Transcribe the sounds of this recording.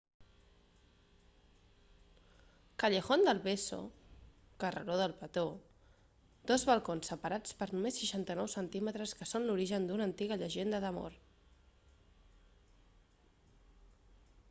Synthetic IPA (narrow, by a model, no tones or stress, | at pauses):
kəʎəxond̪əlˠβeso̰ | kərə̰ɾoðəlˠpət̪o | d̪̥ɔzβəlˠkonsːəpəɾat͡spəɾnumesːəʃant̪ənɔwsənt̪imət̪ɾəskəsonluɾiʒənd̪unənt̪iɣəʎəʒend̪əðəmo̰ɾ